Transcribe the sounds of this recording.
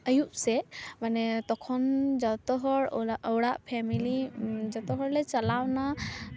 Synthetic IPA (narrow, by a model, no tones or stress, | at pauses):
əjuʔsɛmanɛt̪ɔkʰɔnd͡ʒɔt̪ɔɦɔɹʔəwɽaʔpʰɛmilid͡ʒɔt̪ɔɦɔɹlɛt͡ʃalawna